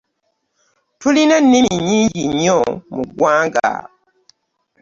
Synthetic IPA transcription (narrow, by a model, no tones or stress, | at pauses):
tulinanːiɲiːɲɟiɲomuɡwaːŋɡa̰